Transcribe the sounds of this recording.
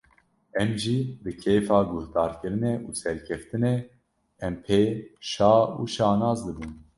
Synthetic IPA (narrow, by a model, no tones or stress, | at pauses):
ɛmʒibɨkʰeːfɑːɡʊhd̪ɑːɾkɨɾɨnɛʔuːsɛɾkʰɛft̪ɨne | ɛmpʰeːʃɑːṵːʃɑːnɑːzd̪ɨbun